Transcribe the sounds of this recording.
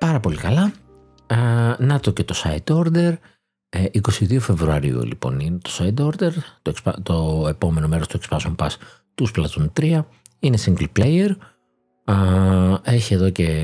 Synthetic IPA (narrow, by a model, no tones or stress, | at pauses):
pɐɾɐpo̞likɐlɐ | nɐt̪o̞ce̞t̪o̞sɐid̪o̞ɾd̪e̞ɾ | iko̞siðio̞fe̞vɾuɐɾḭṵlḭpo̞̰nine̞t̪o̞̥sɐjd̪oɾd̪e̞ɾt̪oekspɐ̰t̪oe̞po̞me̞no̞me̞ɾo̞st̪oekspɐsumpɐs | t̪usplɐt̪unt̪ɾiɐ | ine̞siŋɡlplejeɾ | e̞çie̞ðo̞ce̞